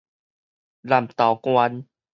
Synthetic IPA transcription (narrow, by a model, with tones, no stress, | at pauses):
la˨˩mt̪a˨˩wkwa˧n